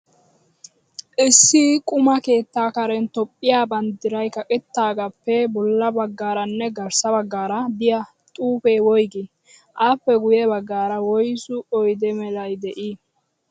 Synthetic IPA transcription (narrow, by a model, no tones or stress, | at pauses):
ʔɪsːɪkʼʊmɐke̞ːt̪ːaːkɐɾɛnt̪ɔpʼːɪjaːbɐnd̪ɪɾɐjkɐkʼɪt̪ːaːɡɐpːɛbɔlːɐbɐɡːaːɾɐnːɛɡɐɾsɐbɐɡːaːɾɐd̪ɪjɐ | t̪ʼuːpewɔjɡɪ | ʔaːpːɛɡʊjɛbɐɡːaːɾɐwɔjsʊɔjd̪ɛmɛlɐjd̪ɛʔi